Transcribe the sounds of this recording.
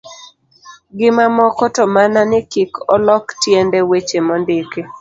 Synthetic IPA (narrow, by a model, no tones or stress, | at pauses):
ɡɪmamɔkɔtɔmananɪkikɔlɔktjendewet͡ʃemɔndɪke